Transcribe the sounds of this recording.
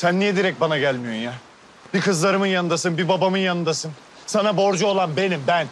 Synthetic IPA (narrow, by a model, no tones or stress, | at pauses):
sænːijɛd̪iɾɛc̚banaɟælʲmijo̞ɾnja | b̥ikɯzlˠaɾɯmɯnjanɯnd̪asɯnbibabamɯnjanɯnd̪asɯn | sanabo̞ɾd͡ʒuo̞lˠanbe̞nimbæn